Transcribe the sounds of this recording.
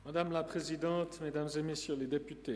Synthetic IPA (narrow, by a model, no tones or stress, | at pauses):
mad̪amlapχezid̪ɑ̃ːt̪med̪amzemesjøled̪epyt̪e